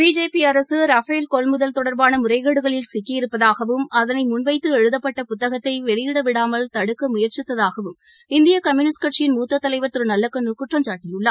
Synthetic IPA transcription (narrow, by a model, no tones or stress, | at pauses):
biːd͡ʒeːpiɐɾɐsɯɾɐfɐɪlkɔɭmʊðɐlt̪ɔɽɐɾbaːnɐmʊrɐɪɣɐɽɯɣɐɭɪlsɪkːɪjɪɾɯpːɐðaːɣɐʋɯmɐðɐnɐɪmʊnʋɐɪt̪ːɯɛɻɯðɐpːɐʈːɐpʊt̪ːɐɣɐt̪ːɐɪʋɛɭɪjɪɽɐʋɪɽaːmɐlt̪ɐɽɯkːɐmʊjɐɾt͡ʃɪt̪ːɐðaːɣɐʋɯm | ɪnd̪ɪjɐkɐmjʊːnɪskɐʈt͡ʃɪjɪnmuːt̪ːɐt̪ːɐlɐɪʋɐɾt̪ɯɾɯnɐlːɐkːɐnʊkːɯʈrɐmt͡ʃaːʈːɪjɯɭːɐ